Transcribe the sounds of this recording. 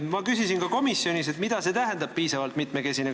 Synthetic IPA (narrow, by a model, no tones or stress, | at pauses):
mɑkysisinkɑko̞misio̞nise̞t̪mid̪̥ɑse̞t̪æɦend̪ɑbb̚piːsɑvɑlt̪mit̪meke̞sine